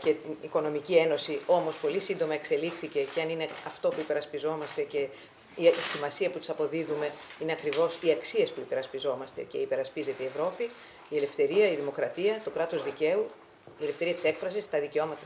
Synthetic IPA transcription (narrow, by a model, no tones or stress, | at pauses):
ce̞t̪iniko̞no̞micie̞no̞sio̞mo̞spo̞lisind̪o̞mɐe̞kse̞lixθice̞ceɐnine̞ɐft̪o̞puipe̞ɾɐspizo̞mɐst̪e̞ce̞ | iisimɐsiɐput̪i̥sɐpo̞ðiðume̞ineɐkɾivo̞siɐksie̞spuipe̞ɾɐspizo̞mɐst̪e̞̰ce̞ipe̞ɾɐspizet̪eievɾo̞pi | ie̞le̞fθe̞ɾiɐiðimo̞kɾɐt̪iɐt̪o̞kɾɐt̪o̞zðice̞u | ilefθe̞ɾiɐt̪i̥se̞kfɾɐsist̪ɐðice̞o̞mɐt̪ɐ